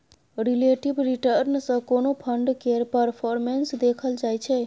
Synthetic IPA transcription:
ɾileʈibɾiʈəɾnsəkonopʰəɳɖkeɾpəɾpʰoɾmensd̪ekʰəld͡ʒajt͡ʃʰe

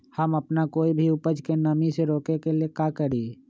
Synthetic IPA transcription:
həməpnakoːibʱiʊpəd͡ʒkenəmiseɾoːkekeliekaːkəɾiː

